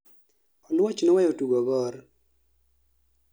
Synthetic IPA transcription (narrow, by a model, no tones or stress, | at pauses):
ɔlwɔt͡ʃnɔwɛjotuɡɔɡɔr